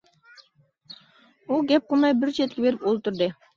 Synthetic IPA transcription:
uɡʲɛp̚qʰəmɑjbɪɾt͡ʃʰɛt̪̚kʲibeɾɪpolˠt̪uɾd̪ɨ

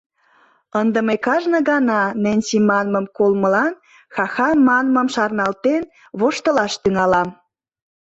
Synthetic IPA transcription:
ənd̪əmekɑʒnə̆ɡɑnɑnænʲsimɑnməmkolməlɑn | xɑxɑnmɑnmə̆mʃɑrnɑlt̪en | βoʃt̪ə̆lɑʃt̪yŋɑlɑm

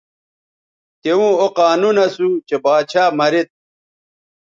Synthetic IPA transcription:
t̪eũːoqaːnunɐsut͡ɕebaːt͡ɕʰaːmɐɾit̪̚

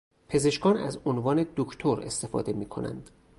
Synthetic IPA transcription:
pʰe̞ze̞ʃkɒːnæ̰zonvɒːne̞d̪okʰt̪ʰoɾe̞st̪e̞fɒ̰ːd̪e̞miːkʰo̞næ̰nd̪̥

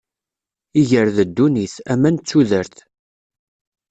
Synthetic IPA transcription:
iʝəɾðəd̪ːuniθæmːænt͡sːuðəɾθ

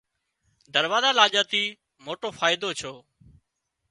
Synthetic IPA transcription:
d̪əɾʋaːzaːlaːʄaːt̪iː | moːʈoːfaːɪd̪oːt͡ʃʰoː

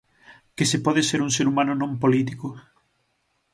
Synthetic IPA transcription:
kesepɔðeseɾuŋseɾumãnʊnõmpolit̪ikʊ

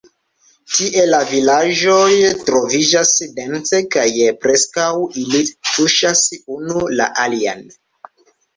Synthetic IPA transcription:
tiʔe̞lavilaʒojtɾo̞vid͡ʒasdent͡sekajpɾe̞skawilituʃasunula̰ʔalia̰n

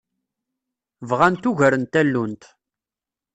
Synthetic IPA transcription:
vʁænt̪uʝəɾənt̪ælːunt̪

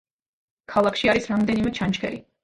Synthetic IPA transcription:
kʰalˠakʰʃiaɾisɾamd̪ɛnimɛt͡ʃʰant͡ʃkʰɛ̰ɾi

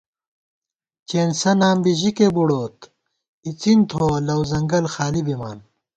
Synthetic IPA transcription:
t͡ɕeːnsɐnaːmbiʑikebuɽoːt̪ | it͡sint̪ʰoːlɐwzɐŋɡɐlxaːlibima̰ːn

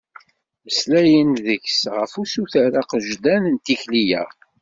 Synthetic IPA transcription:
əslæjənðəçsʁəfusuθæɾaqʒd̪ænənt̪içlijæ̰

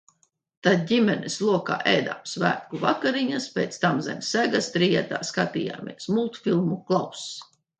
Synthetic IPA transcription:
t̪ad̪̚dʲimʲɛnɛslˠuɔka̰ːʔɛjd̪a̰ːmsvæ̰ːt̪̚kuva̰kaɾiɲaspʲejt̪st̪amzɛmʲsæɡast̪ɾijɛt̪a̰ːskat̪iːja̰ːmʲḭɛsmulˠt̪fʲilˠmuklˠaws

